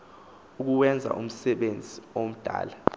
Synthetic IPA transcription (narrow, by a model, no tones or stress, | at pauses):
uk̬uwɛnd͡zʱa̰ʔṵm̩sɛɓend͡zʱiom̩d̥ʱa̰ːla